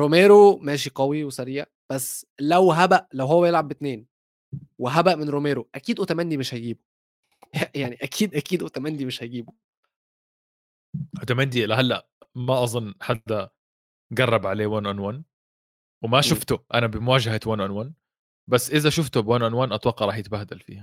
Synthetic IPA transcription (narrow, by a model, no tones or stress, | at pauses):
ɾomeːɾomæːʃ̬iqɑwiwesæɾija | b̥æsːlæwɦæbæʔlæwɦowːæjelʕabːɪt̪neːn | weɦæbæʔmenɾomeːɾoʔækiːd̪ʔut̪æmænd̪imeʃhæjɡiːbo | jjaʕniʔækʰiːd̪ʔækiːd̪ʔut̪æmænd̪imeʃhæɡiːbo | ʔot̪æmænd̪ilæɦælːæʔ | mæʔɑzˤonːħad̪ːæ | ɡɑrˤːɑbʕaleːwæːnʔanwæːn | wemæʃoft̪ʊʔænæbɪmwæːʒahat̪wæːnʔanwaːn | bæsːʔɪzæʃʊft̪obwæːnʔanwaːnʔɑt̪ˤwɑqːɑʔɾˤɑːħjet̪bæhd̪ælfḭːhæ